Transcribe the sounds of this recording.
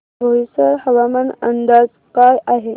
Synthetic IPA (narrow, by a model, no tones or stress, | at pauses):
bʱəʋisəɾhəʋamənənd̪ad͡z | kajʔaɦe